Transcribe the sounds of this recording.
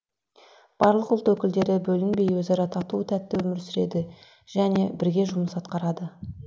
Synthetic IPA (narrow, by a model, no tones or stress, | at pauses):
b̥ɑɾlˠəqʊlˠt̪wɵkʲɪld̪e̞ɾɪbɵlɪŋbe̞jwɵzɑɾɑt̪ʰɑt̪uət̪ʰæt̪ːɪwɵmɪɾsʏɾe̞d̪ɪ | ʒ̥æne̞bɪɾɡʲe̞ʒʊməsɑt̪qɑɾɑd̪ə